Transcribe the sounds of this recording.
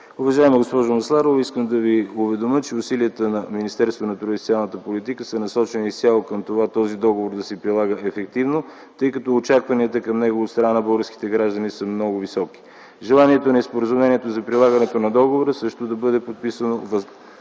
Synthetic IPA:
ʊvɐʒaɛmɐɡospɔʒomɐslˠaɾoviskəmd̪ɐviʊvɛd̪omət͡ʃɛʊsiliət̪ənɐminist̪ɛɾst̪vonɐt̪ɾod̪ʲɛst̪ialˠnət̪əpolit̪ikəsɐnɐsɔt͡ʃɛniist̪ʲalˠokɐmt̪ovat̪ɔzid̪ɔɡovoɾd̪ɐsɛpɾilˠaɡəʔɛfɛkt̪ivno | t̪ɤjkɐt̪ɔːt͡ʃakvɐniət̪əkɐmnɛɡovot̪sɾanabɤlˠɡəɾski̥t̪ɛɡɾaʒd̪ənisəmnɔɡʊvisɔki̥ | ʒɛlˠaniɛt̪onɐispoɾəzumlɛniɛt̪ozɐpɾilˠaɡɐnɛt̪onɐd̪ɔɡovoɾəsɤʃt̪od̪ɐbɤd̪ɛpot̪̚pisənovɐ

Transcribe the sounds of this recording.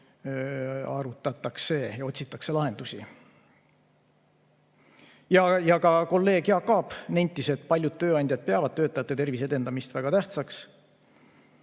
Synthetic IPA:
ɑɾut̪ˑːɑt̪ːˑɑkse̞ːjɑo̞t̪ʲsit̪ːˑɑkse̞lɑɦe̞nd̪usi | jɑjɑkɑko̞lːe̞ːɡjɑkːɑːpnejnʲt̪ːˑise̞t̪̚ːˑpɑlʲjud̪̥̚t̪øːɑnʲd̪jɑd̪̥̚peɑvɑd̪̥̚t̪øːt̪ˑːɑjɑt̪ːˑet̪e̞rvise̞d̪̥e̞nd̪ɑmist̪væɡ̥ɑt̪æht̪sɑks

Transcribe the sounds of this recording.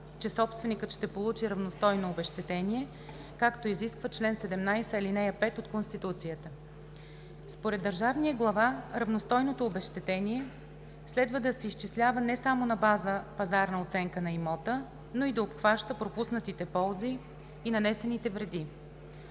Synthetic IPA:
t͡ʃɛsɔpst̪vɛnikət̪ʃt̪ɛpolˠut͡ʃiɾɐvnost̪ɔjnoːbɛʃt̪ɛt̪ɛniɛ | kakt̪oiziskvət͡ʃlɛnsɛd̪ɛmnajsəɛlinɛjəpɛt̪ot̪konst̪it̪ut̪sijət̪ə | spoɾɛd̪ːəɾʒavnijəɡlˠɐvaɾɐvnost̪ɔjnot̪oːbɛʃt̪ɛt̪ɛniɛ | slɛd̪vəd̪ɐsɛiʃt͡ʃislʲavənɛsamonɐbazəpɐzaɾnɐot̪sɛŋkənɐimɔt̪ə | noid̪ɐopxvaʃt̪əpɾopusnət̪it̪ɛpɔlˠziː | nɐnɛsɛnit̪ɛvɾɛd̪i

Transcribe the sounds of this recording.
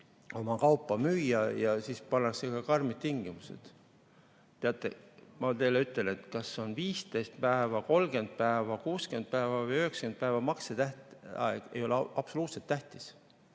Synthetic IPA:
o̞mɑkɑwpːˑɑmyːjːɑjɑsiːspɑnːɑksekɑkɑrmit̪t̪iŋɡ̥imusḛd̪̥ | t̪eɑt̪ˑːḛmɑt̪e̞jlyt̪ːˑe̞le̞t̪kɑsːeo̞nviːst̪ejst̪̚pæevɑko̞lɡ̥e̞nd̪̥̚pæevɑkuːskend̪̥̚pæevɑvɤjøhekskend̪̚pæevɑmɑkset̪æht̪ɑ̰ḛɡ̥e̞̰jo̞leɑb̥so̞luːt̪se̞t̪ːæht̪i̥s

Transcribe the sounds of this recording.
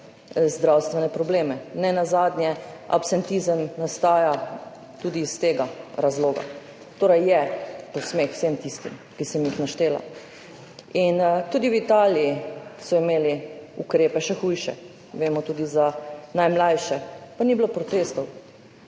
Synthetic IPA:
zd̪ɾawst̪ʋɛnɛpɾɔbleːmɛnɛnazaːd̪njɛa̰psɛnt̪izəmnast̪aːja | t̪uːd̪iːst̪eːɡaɾazloːɡa̰ | t̪oːɾɛjjɛposmeːxwsemt̪ist̪ḭmkisɛmjixnaʃt̪eːla̰ | int̪ud̪iwit̪aːliisɔimeːliukɾeːpɛʃɛxujʃɛ̰ | ʋeːmɔt̪ud̪izanajmlajʃɛpaniblopɾɔt̪eːst̪ɔw

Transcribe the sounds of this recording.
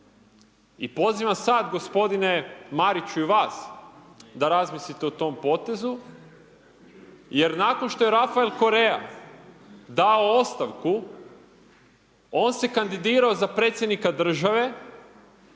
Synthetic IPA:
ḭpo̞ziːʋamsaːd̪ɡo̞spo̞d̪ine̞maɾit͡ɕuiʋaːs | d̪aɾazmislit̪eot̪o̞mpo̞ːt̪e̞zu | je̞ɾnaːkonʃt̪o̞je̞ɾafaelko̞ɾe̞a̰ | d̪aoost̪aʋku | o̞ːnse̞kand̪id̪iːɾaozapɾe̞t̪sʲje̞d̪nikad̪r̩ʒaʋe̞

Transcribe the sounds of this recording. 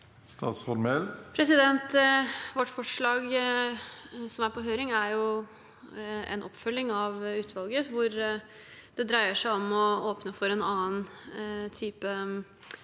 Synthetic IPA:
st̪ɑ̰ːt̪sfɔnmɛlpʰɾɛsɪd̪ɛnt̪ʋɔʈːfɔʂɭɑːɡ | sɔmæɾpʰɔɦøːɾɪŋæɾjʊ | ɛ̰nʔɔpːfœlːɪŋɑʋʉːt̪ʰʋɑlɡəʋʊɾ | d̪ɛd̪ɾæɪəʂæɪɔmɔoːpnəfɔɾɛnɑːənt̪ʰyːpə

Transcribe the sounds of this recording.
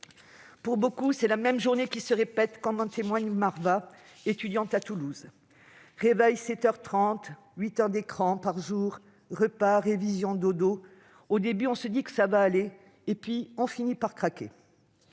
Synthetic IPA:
puʁbokusɛlamɛmʒuʁnekʲisəʁepɛt̪kɑ̃t̪ɔ̃t̪emwaɲmaʁva | et̪yd̪jɑ̃t̪at̪uluz | ʁevɛjsɛt̪œʁt̪χɑ̃t̪ | ɥit̪œʁd̪ekχɑ̃paʁʒuːʁ | ʁəpaʁevizjɔ̃d̪od̪o | od̪ebyɔ̃səd̪ikə̥savaːleː | pɥiɔ̃finipaʁkχakʲe

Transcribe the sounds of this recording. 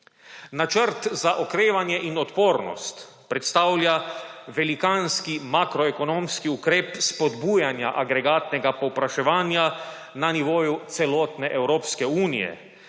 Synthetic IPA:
nat͡ʃəɾt̪zaʔɔkɾeːʋanjɛʔinɔt̪poːɾnɔ̰st̪ | pɾɛt̪st̪aːwljaʋɛlikanskimakɾɔɛkɔnõːmskiukɾeːpspɔd̪bujanjaʔaɡɾɛɡaːt̪nɛɡapɔwpɾaʃɛʋaːnja | naniʋoːjut̪sɛlɔːt̪nɛʔɛwɾoːpskɛuːnḭjɛ̰

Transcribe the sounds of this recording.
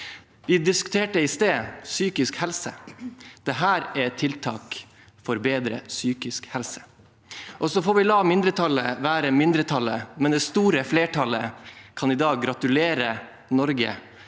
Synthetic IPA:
ʋɪd̪ɪskʉ̥t̪ʰeːʈəɪst̪eːsyːkɪskhɛlsəd̪̥ɛɦæːɾɛt̪ʰɪlt̪ʰɑ̰ːk | fɔɾbeːd̪ɾə̰syːkɪskhɛlsə̥ | ʔɔsɔfoːʋɪlɑːmɪnd̪ɾət̪ʰɑləʋæːɾəmɪnd̪ɾət̪ʰɑlːəmɛnd̪ɛst̪uːɾəfleːʈʰɑləkʰɑnɪd̪ɑːɡːɾɑt̪ʉleːɾə | nɔɾɡə̰

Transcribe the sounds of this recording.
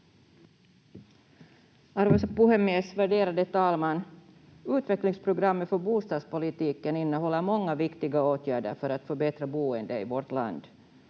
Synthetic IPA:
aɾvespuhɛmesvæɖeːɾad̪ət̪ɑːlman | ʉːt̪vɛklɪŋspʰɾʊɡɾamːət̪fœɾbuːst̪ɑːd̪spʊlɪt̪iːkənɪnːəɦɔlːəɾmɔŋːavɪkt̪ɪɡaoːt̪ʰjæːɖə̰ɾfœɾat̪fœɾbɛt̪ɾabuːənd̪əɪ̰vɔɾʈ̪la̰nd̪

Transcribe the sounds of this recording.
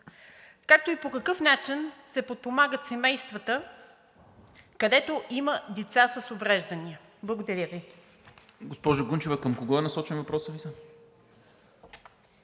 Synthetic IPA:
kak̚t̪oipokɐkɤfnat͡ʃinsɛpot̪̚pomaɡət̪sɛmɛjst̪vɐt̪ə | kɐd̪ɛt̪oʔiməd̪ɛt̪sasəsovɾɛʒd̪ɐniəblˠɐɡod̪ɐɾʲjəvi | ɡospɔʒʊɡunt͡ʃovəkəmkoɡɔɛnɐsɔt͡ʃɛnvɐpɾɔsəvisə

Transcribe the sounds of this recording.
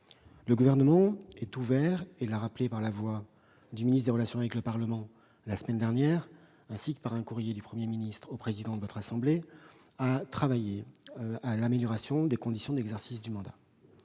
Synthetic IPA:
ləɡuvɛʁnəmɑ̃ɛt̪uvɛʁɛlaʁaplepaʁlavwa | d̪yminit̪d̪eʁəlasjɔ̃avɛkləpaʁləmɑ̃ | lasəmɛnd̪ɛʁnjɛʁ | ɛ̃sikpaʁɛ̃kuʁjed̪ypχəmjeminist̪χopχezid̪ɑ̃d̪əvɔt̪χasɑ̃bleat̪χavajealameljɔʁasjɔ̃d̪ekɔ̃d̪isjɔ̃d̪ɛɡzɛʁsisd̪ymɑ̃d̪a

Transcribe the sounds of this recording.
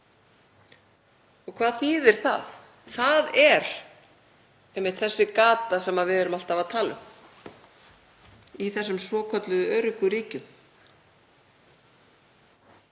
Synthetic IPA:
ɔɣkʰv̥aːðθiːðɛɾ̥θa̰ð | θaðɛɾ̥ | ɛhmːɪt̪θɛsːɪkaːt̪asɛmaðvɪðɛɾʏmal̥t̪avaðt̪ʰaːlʏ̰m | iθɛsːʏmsvɔːkʰɔt̪lʏðʏœːɾʏkʏɾiːcʏm

